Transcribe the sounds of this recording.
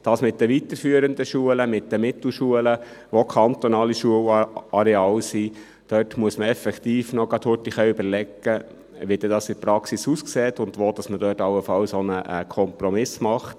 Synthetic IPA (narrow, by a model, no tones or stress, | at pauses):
d̥ɑːsmɪt̚d̥əʋitəɾfyəɾənd̪əʃuələmɪtdəmɪtl̩ʃuələʋokʰɑnt̪ɔnɑːliʃuəwɑɾɛɑːlsi | d̥œtmuəsməɛfɛkt̪iːfnɔɡɑt̪hʊtiχœʏbəɾlɛkːə | ʋid̥ɛdɑːsɪtpɾɑksisuːskseːt̪ʊnd̪ʋoːd̥ɑsmədœːtɑlːəfɑlsonəʔəkʰɔmpɾɔmɪsmɑχt